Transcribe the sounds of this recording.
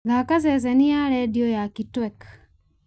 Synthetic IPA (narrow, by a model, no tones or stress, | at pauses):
ɣakazɛzɛniaɾɛdiojakitwɛk